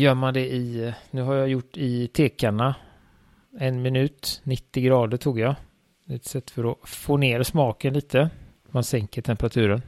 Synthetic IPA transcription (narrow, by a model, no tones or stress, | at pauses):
jœːɾmand̪ɛɪnʉ̟ːɦaɾjajʊʈːɪt̪ʰeːkaɳa | ɛnmɪnʉ̟ːt̪nɪt̪ːɪɡɾɑːd̪əʈʰuːɡja | d̪ɛt̪sɛt̪ːfœɾɔfoːneːɾsmɑːkənliːt̪ʰə | mansɛŋkəʈʰɛmpəɾat̪ʰʉ̟ːɾən